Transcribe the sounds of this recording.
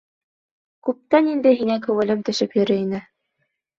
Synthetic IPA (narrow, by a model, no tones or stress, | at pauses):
kʉp̚t̪ænind̪ɘɦiŋækɵ̆wɘ̆lɘpt̪ɵ̆ʃɘpjɵ̆ɾɘinɘ